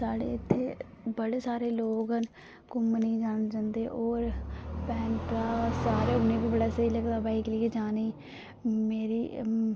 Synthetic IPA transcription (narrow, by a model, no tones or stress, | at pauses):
saːɽḛːɪt̪ʰːeː | bəɽeːsaːɾeːloːɡɦən | kʊmniːd͡ʒaːnd͡ʒãːnd̪eːʔoːɾpɛːnkaːsaːɾeːʊnẽːbiːbəɽaːsəiːləkd̪aːbaːiklɪeːd͡ʒaːniː | meːɾiː